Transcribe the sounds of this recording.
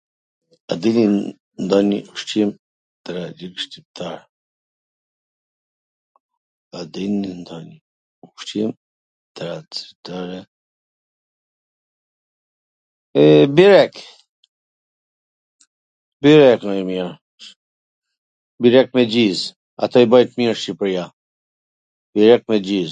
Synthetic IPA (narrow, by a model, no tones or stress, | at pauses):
ɐd̪ini | nd̪anḭuʂʈ͡ʂʰim | t̪ɐɾad͡ʒikʂt̪ib̚t̪aɾ | ɐd̪inind̪ani | ukʈ͡ʂʰim | t̪ɐɾat͡si̥t̪aɾe | ɛbiɾɛk | biɾɛknɔimiɾ | biɾɛk̚mɛd͡ʑiz | a̰t̪ɔibɔjt̪miɾʃipɾia | biɾɛk̚mɛd͡ʑiz